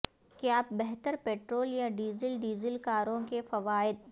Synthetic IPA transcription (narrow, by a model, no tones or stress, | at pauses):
keaːp̚bɛɦt̪əɾpeːʈɾoːljaɖiːzəlɖiːzəlkaːɾõkefɐʋaːɪd̪̚